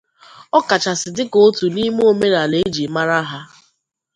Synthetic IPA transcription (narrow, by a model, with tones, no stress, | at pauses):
ɔ˦ka˨t͡ʃa˨sɪ˨dɪ˦ko˨˦tu˨ni˦m˦o˦me˦ɾa˨le˦d͡ʒi˨ma˦ɾa˦ɦa˦